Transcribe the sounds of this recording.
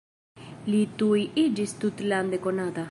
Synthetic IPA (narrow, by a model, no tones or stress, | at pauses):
lit̪ujʔid͡ʒist̪ut̪land̪ekonad̪a